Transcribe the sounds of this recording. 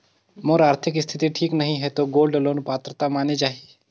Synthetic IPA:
moɾaːɾt̪ʰɪkɪst̪ʰɪt̪iʈʰiːknɐɦĩɦɛt̪oɡoːlɖəloːnpaːt̪ɾət̪amaːnet͡ʃaːɦii

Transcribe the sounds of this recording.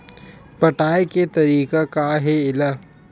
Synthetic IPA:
pɐʈaːeket̪ɐɾiːkakaɦeɪla

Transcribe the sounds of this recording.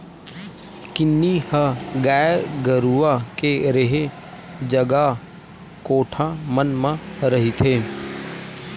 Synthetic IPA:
kɪnːihəɡaːɡəɾuʋakeɾeɦe | d͡ʒəɡa | koːʈʰamənmãɾɐɦit̪ʰeː

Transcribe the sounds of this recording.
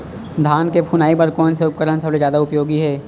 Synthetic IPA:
d̪ʱaːnkepʰunaːibəɾkɔːnseʊp̚kəɾənsəbled͡ʒjaːd̪aʊpjoːɡiɦɛː

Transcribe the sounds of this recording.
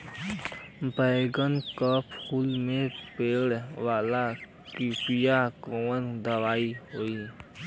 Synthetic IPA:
bəɪɡənkəpʰuːlmẽpeːɽʋaːla | kipijakɔwənd̪əʋaːiɦoːi

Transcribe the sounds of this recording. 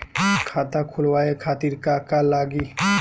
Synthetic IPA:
kʰaːt̪akʰulwaːekʰaːt̪iɾkakalaːɡiː

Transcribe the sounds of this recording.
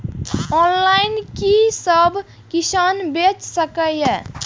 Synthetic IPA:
ɔnlainkisəbʱ | kisanbet͡ʃsəkəje

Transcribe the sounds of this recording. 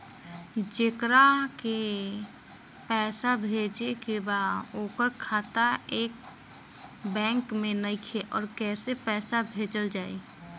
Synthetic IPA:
d͡ʒekɾake | pɛːsabʱed͡ʒekebaoːkəɾkʰaːt̪aeːk̚ | bɛ̃ːŋkmẽnəikʰeʔɔːɾkɛːsepɛːsabʱeːd͡ʒəld͡ʒaːi

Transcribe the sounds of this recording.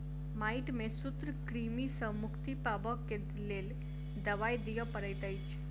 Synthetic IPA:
maiʈmesut̪ɾəkɾimisəmukʰt̪ipabəkːent̪lel | d̪əʋajd̪ijəpəɾəjt̪əjt͡ɕ

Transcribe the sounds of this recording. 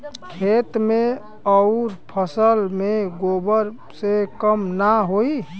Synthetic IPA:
kʰet̪me | ɔʊɾpʰəsəlmeɡobəɾ | sekəmnaɦoi

